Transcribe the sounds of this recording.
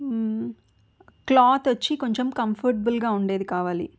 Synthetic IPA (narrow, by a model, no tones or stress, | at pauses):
klaːt̪ʋɐt͡ʃːiko̞ɲt͡ʃemkɐmpʰɐɾʈbɐlɡaːuɳɖe̞ːd̪ikaːʋaːlḭ